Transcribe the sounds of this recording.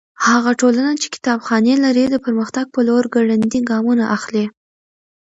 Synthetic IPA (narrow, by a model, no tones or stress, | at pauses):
haɣaʈolanat͡ʃe̥kɪ̥t̪ɑbxɑnelaɾid̪əpəɾməxt̪aɡ̚pəloɾɡaɽand̪iɡɑmunaʔaxli